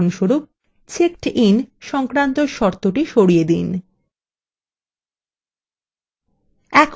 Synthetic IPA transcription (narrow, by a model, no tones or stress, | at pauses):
nʃoɾu | t͡ɕʰekʈinʃɔŋkɾant̪oɾʃɔɾt̪oʈiʃoɽijed̪ḭn | ɛkʰ